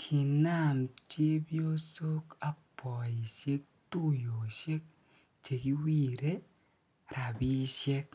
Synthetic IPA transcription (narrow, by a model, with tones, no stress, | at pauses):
kʰi˨na˦˨mt͡ʃje˦bjo˦so˦ka˦pɔ˨i˨ʃe˦k̚tu˦jo˨ʃje˦k̚ | t͡ʃe˨ki˦wi˦˨ɾe˦ | ɾa˨bi˦ʃjɛ˦k̚